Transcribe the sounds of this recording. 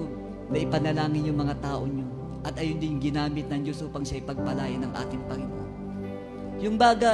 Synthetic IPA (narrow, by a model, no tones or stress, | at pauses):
nɐʔɪpɐnɐlaːŋɪnjʊŋmɐŋat̪aːʔo̞ɲo | ʔɐt̪ʔɐjond̪ɪnɲʊŋɡɪnaːmɪt̪̚nɐŋd͡ʒo̞sʔuːpɐŋʃaʔɐjpɐɡ̚pɐlaːjɪnɐŋʔa̰ːt̪ɪŋpɐŋɪmoʔan | jʊŋbaːɡa